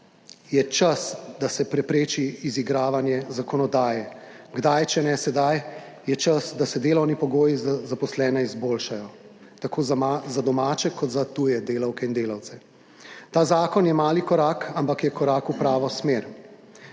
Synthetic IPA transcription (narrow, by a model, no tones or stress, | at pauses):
jɛt͡ʃasd̪asɛpɾɛpɾeːt͡ʃiiziɡɾaːʋanjɛzakɔnɔd̪aːjɛ | ɡd̪ajt͡ʃɛnɛsɛd̪aj | jɛt͡ʃasd̪asɛd̪eːlɔwnipɔɡoːjizzapɔslɛːnɛizboːlʃajɔ | t̪akoːzzad̪ɔmaːt͡ʃɛkɔt̪zat̪ujɛd̪eːlɐwkɛind̪eːlawt̪sɛ | t̪aːzaːkɔnjɛmaːlikɔɾaːkampakjɛkɔɾaːkupɾaːʋɔsmeɾ